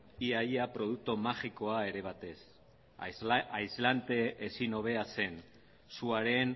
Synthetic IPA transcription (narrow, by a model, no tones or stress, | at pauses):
iajapɾo̞ðuk̚t̪omaxiko̞ae̞ɾe̞β̞at̪e̞s | ajzlant̪e̞ʔːsino̞β̞e̞ase̞n | suaɾe̞n